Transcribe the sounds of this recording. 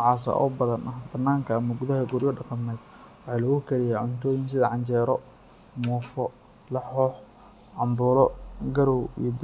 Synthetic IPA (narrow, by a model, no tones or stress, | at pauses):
nʕɑːsɐ̰ʔɔ̰ːbɐðɐnʔɐhbɐnːaːŋkʰɐːmɐɡʊðɐɦɐɡʊɾjɔɖɑqɑmɛd̪ | wɑħɑːlɔɣʊkʰɐɾɪjaːʕʊnt̪ʰɔːjɪnsɪðɐʕɑɲt͡ʃɛːɾɔ | muːfɔ | lɐħɔːħ | ʕɑmbuːlɔɡɐɾɔwḭd̪